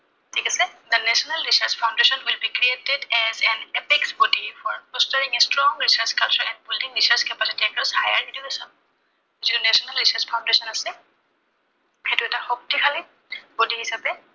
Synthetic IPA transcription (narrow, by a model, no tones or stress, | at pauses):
tʰikasɛd̪ənɛsɔnalɹisaɹspʰaʊ̃ndesɔnwilbikɹietɛdɛzɛnepiksbɔdifɔɹpɔstɔɹiŋɛstɹɔŋɹisaɹt͡ʃkalt͡ʃɔɹɛ̃n̚buldĩŋɹisaɹskɛpasitiɛkɔsajaɹnitiɦosɔ | zitunɛsɔnalɹisaɹspʰaʊ̃ndesɔnasɛ | xetʊɛtaxɔk̚tikʰali | b̥odihisapɛ